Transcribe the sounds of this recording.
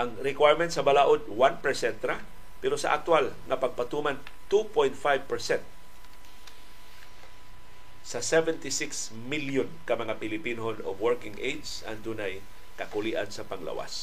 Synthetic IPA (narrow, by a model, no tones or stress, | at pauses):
ʔɐŋɾɪkwajɹmɛnt̪̚sɐbalaːʔod̪̚wanpɛɹsɛnt̪ɾa | pɛɾosɐ̰ʔa̰k̚t̪walŋɐpɐɡ̚pɐt̪uːman | t̪upojnt̪̚fajvpɛɹsɛnt̪̚ | sɐsɛvɛnt̪ɪsɪks | miljʊnkɐmɐŋapɪlɪpinoɦono̰vwɛɹkɪŋʔejdsʔɐ̰nd̪unaj | kɐkʊliʔansɐpɐŋlɐ̰wa̰s